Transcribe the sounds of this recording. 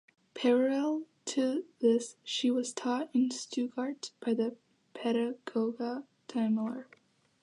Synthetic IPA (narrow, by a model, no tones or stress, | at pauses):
pʰɛɹəlɛlˠ | tʰɨðɪsʃiwʌz̥tʰɔɾɨ̃nstʉɡɑɹt̚b̥aɪðɨ | pʰɛɾɨɡ̥oʊɡə | tʰãɪ̃mlˠə˞